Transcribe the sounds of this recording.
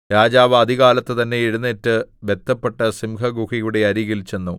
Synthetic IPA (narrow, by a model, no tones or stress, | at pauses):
ɾaːd͡ʑaːʋɐɐd̪ʱiɣaːlɐt̪ːet̪ɐnːe̞iɻunːeːtːɨʋe̞t̪ːɐpːe̞ʈːɐsimkɐɡuhijuɽeɐɾiɣɐlit͡ɕːenːu